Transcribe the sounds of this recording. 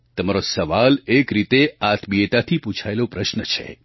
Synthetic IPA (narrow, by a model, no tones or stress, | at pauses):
t̪əmaɾosəʋalekɾit̪eat̪ʰbiet̪at̪ʰiput͡ʃʰaelopɾəʃnət͡ʃʰḛ